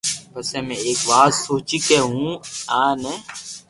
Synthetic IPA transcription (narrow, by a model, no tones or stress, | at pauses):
bəsɛ̃ːmɛ̃eːkʋaːzsoːt͡ʃiːkeːɦũːaːnɛː